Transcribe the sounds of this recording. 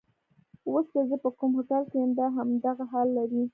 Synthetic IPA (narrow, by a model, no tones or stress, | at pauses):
woslazəpəkumhʊkalkejəmd̪aɦamd̪aɣaɦɑlːaɾi